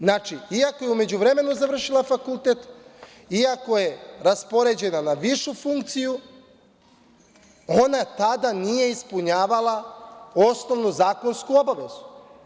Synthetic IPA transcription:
znaːt͡ʃiiako̞jeume̞d͡ʑuʋɾe̞me̞nuzaʋr̩ʃilˠafakulˠt̪et̪ | iako̞je̞ɾaspo̞ɾe̞d͡ʑe̞nanaʋiʃufuŋkt̪siju | o̞nat̪ad̪anije̞ispuɲaːʋalˠao̞sno̞ʋnuzaːko̞nskuo̞baʋe̞zu̥

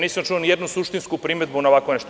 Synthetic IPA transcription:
niːsamt͡ʃuonijed̪nusuʃt̪inskupɾimed̪̚bunaoʋakʋoneʃt̪o

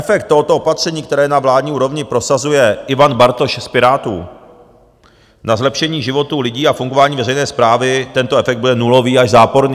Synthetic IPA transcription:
ɛfɛk̚t̪tːoɦo̞t̪o̞ʔopat̪r̝̥ɛɲiːk̚t̪ɛɾɛːjɛnavlaːdɲiːuːɾo̞vɲɪpɾosazujɛʔɪvanbaɾt̪o̞ʃspɪɾaːt̪ṵː | nazlɛpʃɛɲiːʒɪvo̞t̪uːlɪɟiːafuŋɡo̞vaːɲiːvɛɾɛjnɛːspɾaːvɪt̪ɛnt̪o̞ʔɛfɛk̚d̪budɛnulo̞viːaʒzaːpo̞ɾɲi

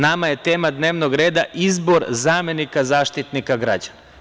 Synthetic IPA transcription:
namaje̞t̪e̞ːmad̪ne̞ːʋno̞ɡɾe̞ːd̪aʔizbo̞ɾzaːme̞nikazaːʃt̪it̪nikaɡɾa̰d͡ʑana

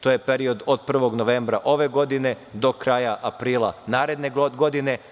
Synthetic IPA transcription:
t̪oːje̞peɾio̞d̪o̞d̪̚pr̩ʋo̞ɡno̞ʋe̞mbɾaʔo̞ʋe̞ɡo̞d̪ine̞ | d̪o̞kɾaːjaʔapɾiːlˠa̰naːɾe̞d̪ne̞ɡo̞d̪ine̞

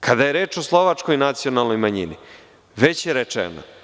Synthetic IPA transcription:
kʰad̪ajeɾe̞ːt͡ʃo̞slˠo̞ʋat͡ʃko̞jnat̪sio̞nalnojmaɲḭni | ʋe̞t͡ɕjeɾet͡ʃḛno̰

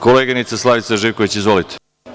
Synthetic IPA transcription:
koleːɡanit̪saslˠaʋit̪saʒiʋkoʋet͡ɕizʋolit̪e̥

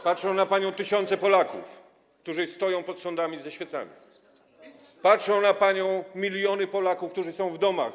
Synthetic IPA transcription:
patʂɔ̃w̃napaɲɔ̃w̃t̪ɘɕɔnt̪sɛpɔlakṵf | k̚t̪uʐɘst̪ɔjɔ̃w̃pɔt̪sɔnd̪amʲizaɕfʲjɛt̪sa̰mʲḭ | patʂɔ̃w̃napaɲɔ̃w̃mʲilʲjɔnɘpɔlakufkt̪uʐɘsɔ̃w̃vd̪ɔma̰

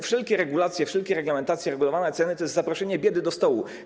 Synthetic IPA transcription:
fʂɛlkʲɛɾɛɡulat̪sʲjɛfʂɛlkʲɛɾɛɡlamɛnt̪at̪sʲjɛɾɛɡulɔvanɛt̪sɛnɘt̪ɔjɛst̪zapɾɔʂɛɲɛbʲjɛd̪ɘd̪ɔst̪ɔwu

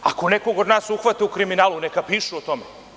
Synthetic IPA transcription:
ako̞nekoɡod̪naːsuxʋat̪aukɾiminaːlˠunekapiːʃuot̪o̞me

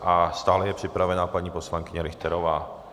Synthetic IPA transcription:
ʔast̪aːlɛjɛpr̥ɪpɾavɛnaːpaɲiːposlaŋkɪɲɛɾɪxt̪ɛɾɔʋaː

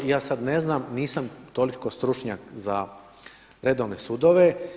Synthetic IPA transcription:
jaːsad̪neznamniːsamt̪oliko̞st̪ɾut͡ʃɲakza | ɾed̪oʋne̞sud̪oʋe

